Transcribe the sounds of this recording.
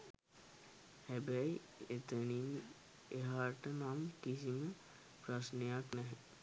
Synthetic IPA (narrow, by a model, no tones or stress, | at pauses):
hɛbɛi | et̪ənim | eɦaʈənaːmkisimə | pɾɐsnəjaknɛɦɛ